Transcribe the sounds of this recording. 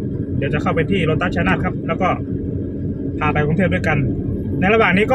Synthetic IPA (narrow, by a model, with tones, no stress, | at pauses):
di˧˩əwt͡ɕa˨˩kʰa˥˩wpa˧jt̪ʰiː˥˩ɾo˦˥t̪ːa˦˥˩t͡ɕʰa˧˦naː˥˩t̚kʰa˦˥p̚lɛː˦˥wkɔː˥˩ | p̪ʰaː˧pa˧jkʰɔ˧ŋʰeː˥˩du˥˩˨jka˧n | na˧jla˧waː˨˩ŋniː˦˥kɔː˥˩